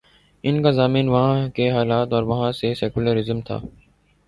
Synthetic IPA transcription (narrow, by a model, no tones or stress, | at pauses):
ɪnkazaːmiːnʋɐɦãkeɦaːlaːt̪ɔːɾʋɐɦãsesɛːkuləɾɪzəmt̪ʰa̰ː